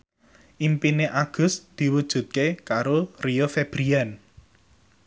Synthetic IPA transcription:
ʔimpineʔaɡ̥ʊ̤sd̪̥i̤wud̥ʒ̥ṳt̪̚kekaɾoriofeb̥ɾian

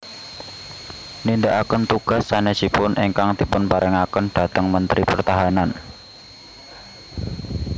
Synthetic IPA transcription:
nindaʔakənt̪uɡ̥asːanesipʊnʔeŋkaŋd̪̥i̤pʊnpaɾɪŋakənd̥a̤t̪əŋmənt̪ɾipərt̪aɦanan

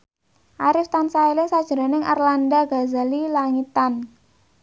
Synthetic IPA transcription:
ʔaɾɪft̪ansaelesad̥ʒ̥əɾa̤nɪŋʔa̰rlandaɡ̥a̤zalilaŋit̪an

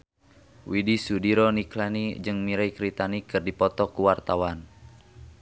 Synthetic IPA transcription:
widisudiɾɔniklanid͡ʒɨŋmiɾaikɾit̪anikɨrdipɔt̪ɔkuwart̪awan

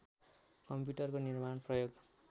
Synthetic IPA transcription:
kʌmpjuʈʌrkonirmanprʌjoɡ

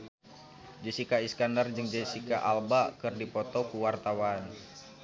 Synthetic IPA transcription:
d͡ʒəsikaiskandard͡ʒɨŋd͡ʒesikaʔalbakɨrdipɔt̪ɔkuwart̪awan

